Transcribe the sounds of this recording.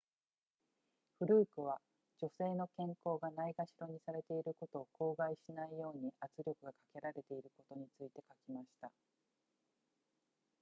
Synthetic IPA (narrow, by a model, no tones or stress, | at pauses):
ɸɯ̟ɾɯ̟ːkɯ̟β̞a | d͡ʑo̞se̞ːno̞kẽ̞ŋko̞ːɡanaiɡaɕiɾo̞ɲ̟isaɾe̞t̪e̞iɾɯ̟ko̞t̪o̞ːko̞ːɡaiɕinaijo̞ːɲ̟iʔat͡sɨɾʲo̞kɯ̟ɡakḁke̞ɾaɾe̞t̪e̞iɾɯ̟ko̞t̪o̞ɲ̟it͡sɨit̪e̞kakʲimaɕi̥t̪a